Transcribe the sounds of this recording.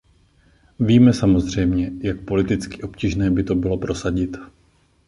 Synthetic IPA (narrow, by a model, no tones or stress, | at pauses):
viːmɛsamozr̝ɛjmɲɛjak̚po̞lɪt̪ɪt͡skɪʔo̞pciːʒnɛːbɪt̪o̞bɪlo̞pɾo̞saɟɪt̪